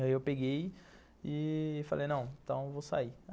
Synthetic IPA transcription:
aiewpeɡej | ɪfalʔejnɐ̃w̃ẽt̪ɐ̃w̃evosa̰i

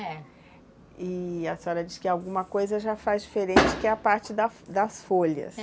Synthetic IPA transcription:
ɛ | iɐsɔɾɐd͡ʒiskɪawɡũmɐkojzɐʒafazd͡ʒifeɾẽt͡ʃɪkɪɛɐpaɾt͡ʃɪd̪ɐd̪ɐsfoʎɐ̰s

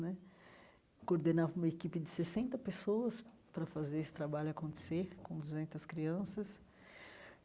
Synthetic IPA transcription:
nɛ | koɾd̪enavũmɐekipɪd͡ʒ̪ɪsesẽnt̪ɐpesoɐs | pɾɐfazeɾesɪ̥t̪ɾabaʎʊakõnt̪e̥seɾkõd̪uzẽnt̪ɐskɾiɐ̃sɐs

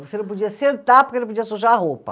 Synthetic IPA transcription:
osenɐ̃p̬od͡ʒiɐsẽnt̪aɾpoɾkenɐ̃p̬od͡ʒiɐsuʒaɐɦopɐ̰

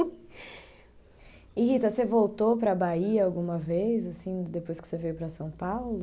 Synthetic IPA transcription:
ihit̪ɐsevowt̪opɾɐbaiɐawɡũmɐvejzasĩd̪epojskɪ̥sevejwpɾɐsɐ̃w̃pawlʊ

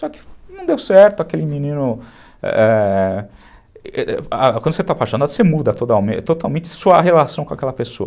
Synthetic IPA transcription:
sɔkɪnɐ̃w̃d̪ewsɛɾt̪ʊakelɪmĩnĩnʊ | ɛ̰ɛ | kɐ̃d̪ʊset̪apaʃõnasemud̪ɐt̪ot̪amẽt̪ot̪awmẽnt͡ʃɪsuɐɦelasɐ̃w̃kõa̰kɛlɐpeso̰ɐ̰

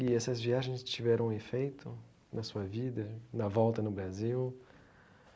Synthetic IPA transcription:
ɪɛsɐzviaʒẽj̃st͡ʃivɛɾʔɐ̃w̃efejt̪ʊ | nɐsuɐvid̪ɐnɐvɔwt̪ɐnʊbɾaziw

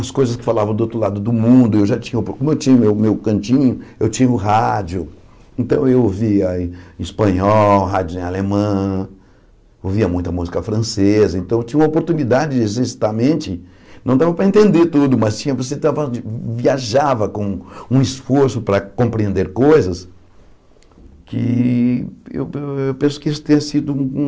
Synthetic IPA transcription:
ɐskojzɐskɪ̥falavɐ̃d̪owt̪ɾʊlad̪ʊd̪ʊmũnd̪ʊewʒat͡ʃĩɲɐopkõmʊewt͡ʃĩɲɐʊmewmewkɐ̃nt͡ʃĩɲʊewt͡ʃĩɲɐʊɦad͡ʒʊ | ẽnt̪ɐ̃w̃ewoviɐispɐ̃ɲɔwɦad͡ʒʊzẽalemɐ̃ | oviɐmũj̃t̪ɐmuzikɐfɾɐ̃sezɐẽnt̪ɐ̃w̃t͡ʃĩɲɐ̃ũmopoɾt̪unid̪ad͡ʒɪd͡ʒesisi̥t̪amẽt͡ʃɪ | nɐ̃w̃d̪avɐpɾɐẽnt̪ẽnd̪eɾt̪ud̪ʊmɐst͡ʃĩɲɐvoset̪avɐviaʒavɐkõũisfoɾsʊpɾɐkõpɾiẽnd̪eɾkojzɐs | kɪ̰ | ḛwewpẽsʊ̥kɪisʊ̥t̪ẽɲɐsid̪ʊũ

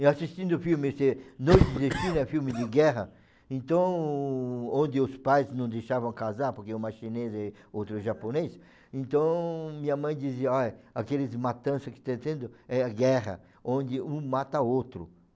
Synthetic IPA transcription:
ɪasist̪ĩnd̪ʊfiwmɪsenojt̪ɪzesʃĩnɛfiwmɪd̪ɪɡɛɦɐ | ẽnt̪ɐ̃w̃ | õnd̪ɪʊspajznɐ̃w̃d̪ejʃavɐ̃w̃kazaɾpoɾkeʊ̃maʃinezɛ | owt̪ɾʊʒapones | ẽnt̪ɐ̃w̃mĩɲɐmɐ̃j̃d̪iziɐɔjakelɪzmat̪ɐ̃sɐskɪ̥t̪ẽt̪ẽnd̪ʊɛɐɡɛʁɐ̰ | õnd̪ɪũmat̪ɐowt̪ɾʊ̰

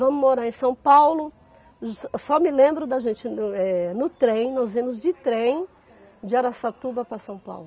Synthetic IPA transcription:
vɐ̃mʊmoɾaɾẽj̃sɐ̃w̃pawlʊ | sɔmɪlẽmbɾʊd̪ɐʒẽnt͡ʃɪnɛnʊt̪ɾẽj̃nɔzẽmʊzd͡ʒɪt̪ɾẽj̃ | d͡ʒɪaɾasat̪ubɐpɾɐsɐ̃w̃pa̰wlʊ

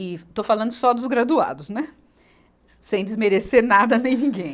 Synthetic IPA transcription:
ɪt̪ofalɐ̃nd̪ʊsɔd̪ʊzɡɾad̪ua̰d̪ʊsnɛ | sẽj̃d͡ʒ̪ɪzmeɾeseɾnad̪ɐnẽj̃nĩɡẽj̃

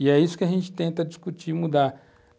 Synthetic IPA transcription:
jɛisu̥kʲaʒẽnt͡ʃi̥t̪ẽnt̪ad͡ʒiskut͡ʃimud̪a

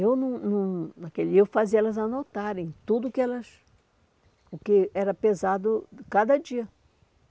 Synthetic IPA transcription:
ewnɐ̃w̃nɐ̃w̃nakelewfaziɛlɐzanot̪aɾẽj̃t̪ud̪ʊkɪɛlɐs | ʊkɪɛɾɐpezad̪ʊkad̪ɐd͡ʒiɐ

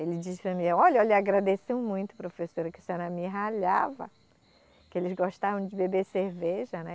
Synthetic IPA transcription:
elɪd͡ʒispɾɐ̃mĩɔʎɐʎɐaɡɾad̪esẽw̃mũj̃t̪ʊ̥pɾofesoɾɐkɪsẽnɐmĩɦaʎavɐ̰ | kɪelɪzɡoʃt̪avɐ̃w̃d͡ʒɪbebeseɾveʒɐnɛ

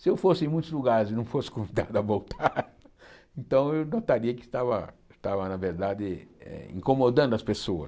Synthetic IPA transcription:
sɪewfosɪẽj̃mũj̃t̪ʊzluɡaɾɪzɪnɐ̃w̃fosɪ̥kõvid̪a̰d̪ʊɐvowt̪ʰaɾ | ẽnt̪ɐ̃w̃ewnot̪aɾiɐkɪst̪avɐ̰ɪst̪avɐnɐveɾd̪ad̪ɪɛ̰ḭ̃komod̪ɐ̃nd̪ʊɐspesoɐ̰s

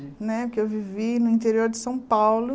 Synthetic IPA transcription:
nɛkɪewvivinʊĩnt̪eɾioɾd͡ʒɪsɐ̃w̃pawlʊ

